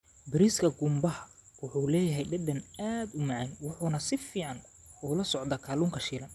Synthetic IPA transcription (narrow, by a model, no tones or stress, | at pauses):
bɪɾiskʰɐɡʊmbɐhɐwʊħuːlɛːjɐɦɛjɖɐdɐnaːd̪ʊmɑʕɛnwʊħuːnɐsɪfiːʕɑn | ʊːlɐsɔʕd̪ɐkʰaːluːŋkʰɐʃiːlɐn